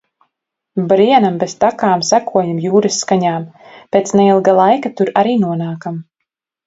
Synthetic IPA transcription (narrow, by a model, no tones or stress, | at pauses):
bɾiɛnambez̥t̪akaːmsækuɔjamjuːɾɨsːkaɲaːmpeːt̪sneilˠɡalˠajkat̪uɾaɾiːnuɔnaːkam